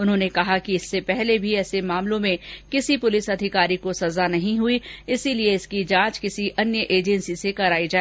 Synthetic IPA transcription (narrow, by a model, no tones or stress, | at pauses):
ʊnɦõːnekɐɦakiɪsːepɛɦlebʱiɛːsemaːmlõmẽkɪsipʊlɪsɐd̪ʱɪkaːɾikosɐzanɐɦĩɦʊiɪsilieɪskid͡ʒãːt͡ʃkɪsiʔɐnjəʔeːd͡ʒɛnsisekɐɾaːid͡ʒaːe